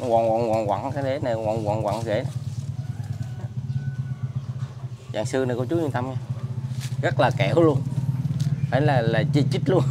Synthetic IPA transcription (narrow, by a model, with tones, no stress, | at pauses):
wa̰˨nwa̰˧˨wa̰˨nɣwa̰˧˨ŋkaː˨˦ɗe˧˦na˨˩˧wa˧˨nwa̰˧˨˩ŋɣwa̰˧˨˦ŋ˧ɣe˧˩˦na˨˩˨ | za̰ː˧˨ŋsɨ˧na˨˩kɔ˧˦t͡ɕu˦˥ɲi˧t̪a˧mɲaː˧ | ɣə˦˥t̚laː˨˩kɛ˧˩wlu˧ən | faː˧˨˦laː˨˩laː˨˩t͡ɕi˧˩t͡ɕi˦˥t̚lu˧ən